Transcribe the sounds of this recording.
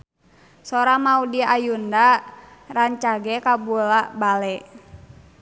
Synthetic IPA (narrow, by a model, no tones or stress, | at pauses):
sɔɾamaudiajundaraɲt͡ʃaɡɛkabulabalɛ